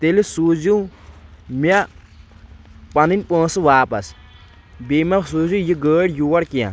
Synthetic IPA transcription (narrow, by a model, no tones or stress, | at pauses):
t̪elisuzu | mʲa | pɐninʲpə̃ːsɨʋaːpɐs | bemʲɐsuzũjiɡəːɽjuwɐɽkijã̰